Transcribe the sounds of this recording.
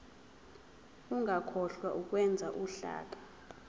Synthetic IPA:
uŋʱakʰɔɬwaʔuk̬ʼwɛnd͡zʱaʔuɬa̰ːkʼḁ

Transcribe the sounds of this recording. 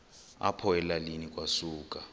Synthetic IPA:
a̰pʰɔɛlalinikʼwasuːkʼa

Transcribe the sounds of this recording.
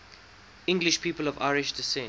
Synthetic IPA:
ɪ̃ŋɡlɪʃpʰiːpəlɔva̰ɪɹɪʃdɪsɛ̃

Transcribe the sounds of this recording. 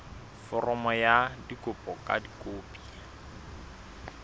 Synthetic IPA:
fɔrɔmɔjadikʼʊpʼɔkʼa̰dikʼoːpʼi

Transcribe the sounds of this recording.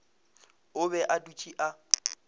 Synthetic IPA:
ʊbɛʔadut͡ʃʼiʔa

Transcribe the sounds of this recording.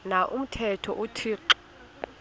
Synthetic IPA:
naʔum̩tʰɛtʰɔʔutʰiːǃɔ̥

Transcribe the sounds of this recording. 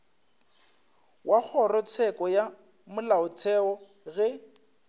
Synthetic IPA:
wʔak͡xʰɔrɔt͡sʰɛkʼɔja | mʊlaʊt͡sʰɛɔ | ɣɛ

